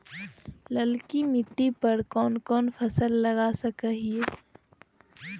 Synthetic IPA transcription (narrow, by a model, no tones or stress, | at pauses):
lɐlkimɪʈːipɐɾkɔːnkɔːnfʰɐsəlːɐɡasəkəɦie